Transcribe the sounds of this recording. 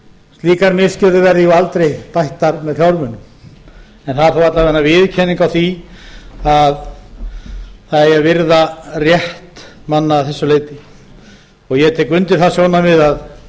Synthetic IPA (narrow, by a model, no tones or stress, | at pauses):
st̪liːkaɾmɪscɛɾðʏvɛɾðɪjualt̪ɾejt̪ajht̪aɾmɛðl̥jawɾmʏnʏm | ɛnθaðɾθawat̪lavɛnavɪðcʰɛnːiŋkawθi | að | θaðɛavɪɾðarjɛht̪manːaːθɛsːʏleːjt̪ɪ | ɔɣjɛt̪ʰɛkʏnt̪ɪɾ̥θasjɔwnamɪðað